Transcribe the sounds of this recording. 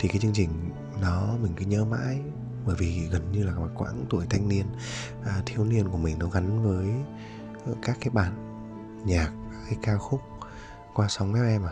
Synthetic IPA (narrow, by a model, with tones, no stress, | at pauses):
t̪ʰi˨˩kaː˨˦jt͡ɕɨ˧əŋt͡ɕï˨˩ŋ̟ | nɔ˨˦mï˨˩ŋ̟kɨ˨˦ɲəː˧ma̰ː˧˥j | ɓəː˧˩jvi˨˩˨ɣə˨˩nɲɨ˧laː˨˩aː˨˩kwa̰ː˧˥nt̪u˧˩əjt̪ʰa˧jŋ̟ni˧ən | ʔt̪ʰi˧əwni˧ənku˧˩əmï˨˩ŋ̟nɔ˨˦ɣa˨˦nvəː˨˦j | kaː˦˥k̚ːaː˨˦jɓa̰ː˧˩˨n | ɲaː˨˩k̚ha˧jkaː˧xʊ˦˥k͡p̚ | kwaː˧sa˨˦wŋ͡mmɛ˦˥p̚ʔɛ˧ma˨˩